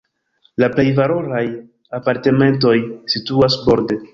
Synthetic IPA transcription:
laple̞jvalo̞ɾaj | apaɾte̞me̞nt̬o̞jsituasbo̞ɾde

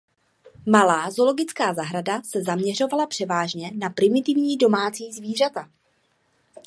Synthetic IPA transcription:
malaːzo̞lo̞ɡɪt͡skaːzaɦɾadasɛzamɲɛr̝o̞valapr̝̥ɛvaːʒɲɛnapɾɪmɪt̪ɪvɲiːdo̞maːt͡siːzviːr̝at̪a

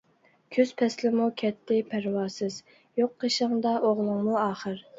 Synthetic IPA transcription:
kʲʰøz̥pʰɛslɪmukʲʰɛt̪ʰːɪpʰæɾwɑːsɨz | joqːəʃəŋd̪ɑʔoʁlˠʊŋmuɑːχəɾ

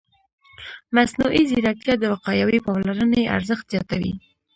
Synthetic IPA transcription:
masnuʔiziɾak̚t̪jɑd̪əwaqɑjawipɑmlaɾənaeʔa̰ɾzəxt̪z̥jɑt̪awḭ

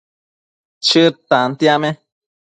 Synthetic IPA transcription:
t͡ʃɨt̪ant̪jamẽ

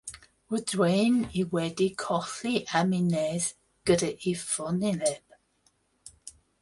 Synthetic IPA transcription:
wədwejniwɛdikʰɔθliʔaminɛz | ɡ̥ədəʔifɔnilɛb

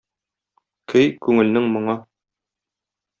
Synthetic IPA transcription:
kʰɘjkʉŋɘ̆lnɘŋmŏɴɑ

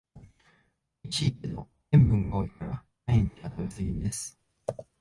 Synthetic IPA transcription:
it͡ɕik̚ed̪o̞̰ | ẽmbɯ̟̃ŋɡaoikaɾa | aĩɲt̪ʲat̪oazɨɡʲind̪esɨ̥

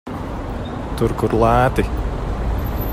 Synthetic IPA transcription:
t̪ʊɾkʊɾlˠæːt̪i

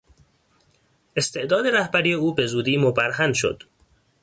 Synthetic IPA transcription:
ʔe̞st̪e̞ʔd̪ɒːd̪e̞ɾæhbæɾiːjeuːbe̞zuːd̪iːmobæɾhænʃo̰d̪̥

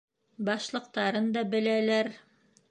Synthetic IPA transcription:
bɑʃlˠɤ̆q̚t̪ɑɾɤnd̪ɑbɘ̆lælæɾ

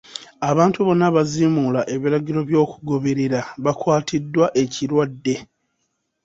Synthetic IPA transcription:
aβaːntuβo̞nːaβazimulaʔe̞βiɾaɟiɾo̞βjo̞ːkuɡo̞βe̞ɾe̞ɾaβakwaːtʰidːwaʔe̞ciɾwadːe̞

